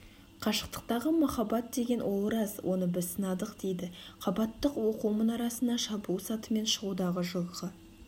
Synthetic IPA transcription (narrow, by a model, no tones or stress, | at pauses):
qʰɑʃə̥q̚t̪ə̥q̚t̪ɑʁəmɑχɑbɑt̪̚d̪e̞ɡʲe̞nwʔo̞lˠɾɑzwʔo̞nəbɪzsənɑd̪əqd̪̥ejd̪ɪqʰɑbɑt̪ːəqwo̞qumənɑɾɑsənd̪ɑʃɑbusɑt̪əme̞nʃəʁud̪ɑʁəʒʊlˠʁə